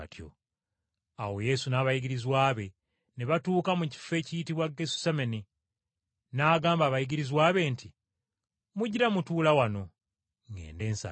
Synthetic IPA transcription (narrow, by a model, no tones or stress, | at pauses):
tʰjo̰ | awo̞je̞sunaːβajiɟiɾizwaːβe̞ | neβatuːkamuci̥fe̞ːcijitiβwaɡesu̥sameni | naːɡaːmbaːβajiɟiɾizwaːβe̞ːnti | muɟiɾamutuːlawano̞ | ŋɡḛːnde̞ːnsa̰